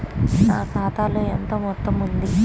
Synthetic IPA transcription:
naːkaːt̪aːloːent̪oːmɔt̪ːɐmund̪i

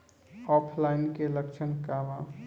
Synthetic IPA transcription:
ɔːpʰlaɪnkeləkt͡ʃʰənkaʋa

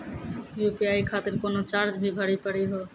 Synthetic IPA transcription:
jupiajkʰat̪eɾkonot͡ɕaɾd͡ʑbʱibʱaɽipaɽiɦɔ

